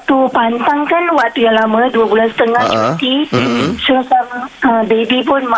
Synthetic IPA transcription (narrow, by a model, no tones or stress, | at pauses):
t̪upant̪aŋkanwak̚t̪ujaŋlamãduabulasə̥t̪əŋaht͡ʃət̪isuɾasamaəbebipʊnma